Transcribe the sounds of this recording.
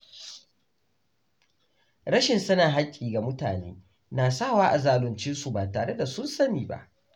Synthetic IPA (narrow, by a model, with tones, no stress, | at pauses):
ɽɐ˦ʃɪ˨nsɐ˦na˨ɦa˦kʲʼːiː˨ɡa˨mʊ˦taː˨nḛː˦ | naː˨saː˦˨waː˦ʔa˨zaː˨lʊ˨nt͡ʃɪ˦nsu˨baː˨taː˨ɽe˦da˨sʊ˦nsɐ˦miː˨ba̰˦˨ʔ